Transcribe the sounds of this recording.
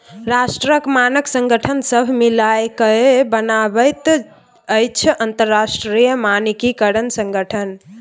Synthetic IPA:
ɾasʈɾəkmanəksə̃ŋɡəʈʰənsəbʱmilajkəebənabəjt̪ | əjt͡ʃʰənt̪əɾːasʈɾijəmanikikəɾənsə̃ŋɡəʈʰən

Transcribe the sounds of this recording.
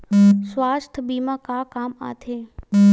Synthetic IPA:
sʋaːst̪ʰbiːmãkaːkaːma̰ːt̪ʰeː

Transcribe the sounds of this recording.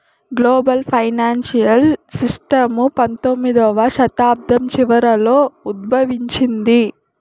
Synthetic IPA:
ɡloːbɐlpʰɐjnaːnsijɐlsisʈɐmupɐnt̪omːid̪ɔʋɐʃɐt̪aːb̚d̪ɐmt͡ʃiʋɐɾɐloːud̪̚bʱɐʋiɲt͡ʃind̪i

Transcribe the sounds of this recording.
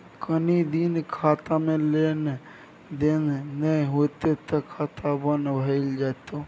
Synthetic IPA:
kənid̪inkʰaːt̪amẽlen | d̪enːəĩɦot̪et̪əkʰaːt̪ʰabənbʱəɪld͡ʒat̪o

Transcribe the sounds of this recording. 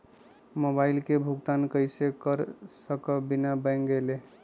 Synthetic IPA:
mobaɪlkebʱuɡt̪ankəjsekəɾsəkəbinabə̃ŋɡele

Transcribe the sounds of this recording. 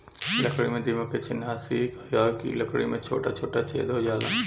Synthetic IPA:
lɐkʰɽimẽd̪imɐket͡ʃʰɪnaːsikɐjaːkḭlɐkʰɽḭmẽt͡ʃʰo̰ːʈat͡ʃʰoːʈat͡ʃḛːd̪oːjaːla̰

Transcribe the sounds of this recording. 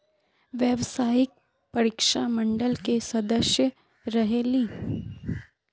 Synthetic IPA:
ʋjɛʋsaːɪk̚ | pɐɾikʃamə̃ɳɖəlkesɐd̪əʃjə | ɾɐɦeliː

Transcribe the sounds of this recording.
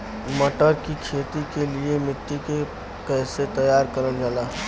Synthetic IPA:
məʈəɾkikʰet̪ikeliemɾɪt̪ːike | kəɦset̪əjaɾkəɾəld͡ʒala

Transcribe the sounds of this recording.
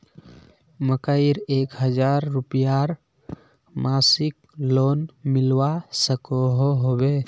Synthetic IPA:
məkaɪɾeːkɦəd͡ʒaːɾːupijaɾ | maːsɪk | loːnmɪlwasəkoɦoɦobe

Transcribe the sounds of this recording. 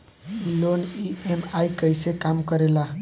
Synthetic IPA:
iloniemajkəjsekamkəɾela

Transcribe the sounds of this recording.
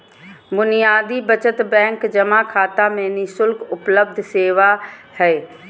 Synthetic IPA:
bʊnijaːd̪ibət͡ʃət̪bɛ̃ːŋkd͡ʒɐmakʰaːt̪amẽːnisʊlkʊpləb̚d̪ʱseːʋahɛː

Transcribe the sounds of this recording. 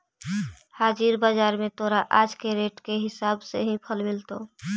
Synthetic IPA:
haːd͡ʒiɾbaːd͡ʒaːɾmẽt̪oːɾaʔaːd͡ʒkeɾeːʈkeɦɪsaːbseɦĩpʰəlmɪlt̪oː

